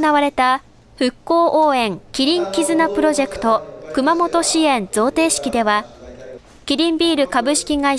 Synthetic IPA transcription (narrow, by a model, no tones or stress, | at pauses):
naβaɾe̞t̪a | ɸɯ̟kːo̞ːʔoːẽ̞ŋkʲiɾʲĩŋkʲizɨnapɯ̟ɾo̞ʑe̞kɯ̟̥t̪o̞kɯ̟mamo̞t̪o̞ɕiẽ̞nd͡zo̞ːt̪e̞ːɕi̥kʲid̪e̞βa | kʲiɾʲĩmbʲiːɾɯ̟kabɯ̟ɕi̥kʲiɡai